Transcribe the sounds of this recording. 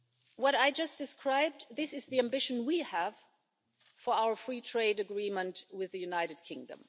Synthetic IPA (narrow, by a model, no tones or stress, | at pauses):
wʌɾaɪd͡ʒʌsd̥ɨskʰɹaɪb̚ðɪsɨzðiæ̃mbɪʃn̩wiəv̥ | fə˞aʊə˞fɹitʰɹ̥eɪdɨɡɹimə̃ntwɪðɨjʉnaɪɾɨd̚kʰɪ̃ŋdə̰̃m